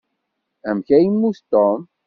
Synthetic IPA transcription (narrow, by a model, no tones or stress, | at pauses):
æmçæjimːust̪om